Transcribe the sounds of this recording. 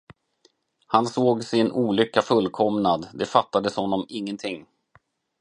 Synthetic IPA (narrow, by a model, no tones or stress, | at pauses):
hansoːɡsɛɪɛnʔuːlʏkːafɵlːkʰɔmnad̪d̪ɛfat̪ːad̪əshɔnːɔmɪŋːənt̪ʰɪŋː